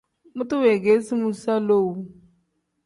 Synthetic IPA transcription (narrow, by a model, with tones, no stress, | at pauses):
mu˦tu˦we˨ɡe˦si˦mu˦sa˦lo˦˨wu˨